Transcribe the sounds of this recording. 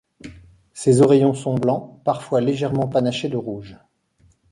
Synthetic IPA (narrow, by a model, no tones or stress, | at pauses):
sezɔʁejɔ̃sɔ̃blɑ̃paʁfwaleʒɛʁmɑ̃panaʃed̪əʁuʒ